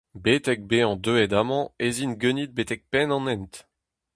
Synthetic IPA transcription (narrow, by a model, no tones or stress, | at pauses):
bet̪ɛk̚beɑ̃d̪øɛd̪amɑ̃ezinɡønit̪̚bet̪ɛk̚pɛnɑ̃nɛnt̪